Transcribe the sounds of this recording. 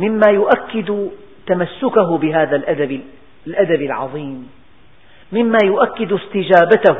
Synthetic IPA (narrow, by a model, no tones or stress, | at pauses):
mɪmːaːjʊʔakːɪd̪ | t̪amasːʊkaɦʊbɪɦaːðalʔad̪abɪ | lʔad̪abɪlʕɑ̰ðˤiːmː | ɪmːaːjʊʔakːɪd̪ʊst̪ɪd͡ʒaːbat̪ah